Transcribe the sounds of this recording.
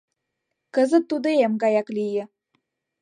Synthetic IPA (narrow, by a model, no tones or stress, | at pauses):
kə̆zə̆t̪ːud̪oemɡɑjɑklijə̆